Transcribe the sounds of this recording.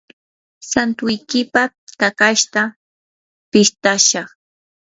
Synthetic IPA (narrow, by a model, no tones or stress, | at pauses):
sant̪ʊjkɪpa | t̪akaʃt̪a | pɪst̪aʃɑχ